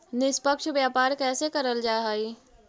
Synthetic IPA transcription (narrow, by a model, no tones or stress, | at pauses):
nɪspəkʃʋjaːpaːɾkɛːsekəɾəld͡ʒaːɦaːi